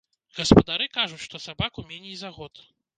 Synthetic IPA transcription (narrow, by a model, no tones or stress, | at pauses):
ɣɐspɐd̪aɾɨkaʐut͡sʲʂt̪ɔsabakumʲenʲejzaɣɔt̪